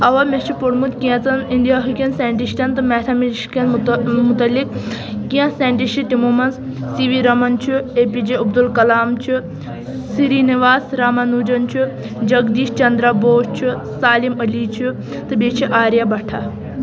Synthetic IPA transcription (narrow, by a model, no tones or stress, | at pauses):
ɐʋɐmʲest͡ʃʰipoɽmut̪kiɛ̃t͡sɐnind̪ijaːɦukʲɐnseːɳʈiʃʈʲɐnt̪ɨmɛːt̪ʰɐmʃkɐnmut̪ɐlːikkĩɐ̃sẽːɳʈiʃiʈimumɐnsːiʋiɾɐmɐnt͡ʃʰieːpid͡ʒeɐbd̪ulkɐlaːmt͡ʃʰi | siɾiniʋaːsɾaːmɐnuːd͡ʒɐnt͡ʃʰi | d͡ʒɐɡd̪iːʃt͡ʃɐnd̪ɾaboːʃt͡ʃʰi | saːlimɐlit͡ʃʰi | t̪ɨbet͡ʃʰiʔaːɾjɐbɐʈʰa